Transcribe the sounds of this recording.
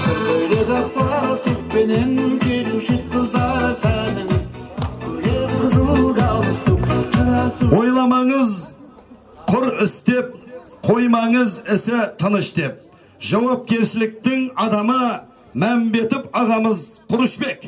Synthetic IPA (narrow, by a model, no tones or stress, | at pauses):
ejd̪ed̪ɑqp̪ɑɾt̪ʰʏk̚penenkʲʰejnuʃɪt̪qʰəzd̪ɑɾsænɪŋəz | ɡ̪eqʰəzbəlˠd̪ɑlət̪uɑɑswo̞jlˠɑmɑɴəz | qʰʊɾɪst̪e̞p̚qʰo̞jmɑɴəzɪsɪt̪ʰənəʃt̪e̞p̚ | ʒɑwɑp̚kʲe̞ɾʃɪlɪk̚t̪ɪŋɑd̪ɑmə | mæmbe̞t̪ɪpɑʁɑməzqʰʊɾəʃbe̞k